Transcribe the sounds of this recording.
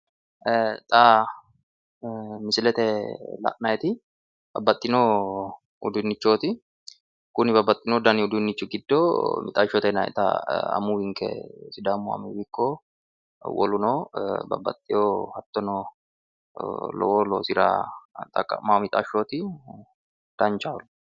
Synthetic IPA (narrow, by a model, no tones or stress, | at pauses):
ʔɛt̪ʼaː | mɪsɪlɛt̪ɛla̰ʔnɐjɛt̪ɪ | b̥ɐbːɐt̪ʼːɪnoː | ʊ̰d̪ʊnːɪt͡ʃːoːt̪ɪ | kʊnɪbɐbːɐt̪ʼːɪnod̪ɐnɪʊd̪ʊnːɪt͡ʃːʊɡɪd̪ːomɪt̪ʼaːʃot̪ɛnɐɛ̰t̪a̰ɐ̰muwɪŋkʼɛ̰sɪd̪amʊɐ̰muwɪkːo | wɔ̰lʊnoːbɐ̰bːɐ̰t̪ʼːɪjoːhɐt̪ːɔno | lɔ̰woːloːsɪɾa̰t̪ʼɐkʼːɐ̰mamɪt̪ʼaʃoːt̪ɪ | d̪̥ɐnt͡ʃaːl